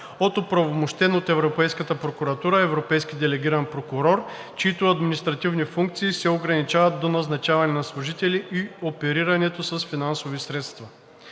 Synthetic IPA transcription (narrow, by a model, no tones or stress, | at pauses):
ot̪ʊpɾɐvomoʃt̪ɛnot̪ɛvɾopɛjskət̪əpɾokuɾɐt̪uɾəɛvɾopɛjsk̟ʲid̪ɛlɛɡʲiɾɐnpɾokʊɾɔɾ | t͡ʃiit̪oɐd̪minist̪ɾɐt̪ivnifuŋkt̪siːsɛoɡɾɐnit͡ʃavɐt̪̚d̪onɐznɐt͡ʃavɐnɛnɐslˠʊʒit̪ɛlʲiʔiopɛɾiɾɐnɛt̪osɐsfinansovisɾɛt̪st̪vɐ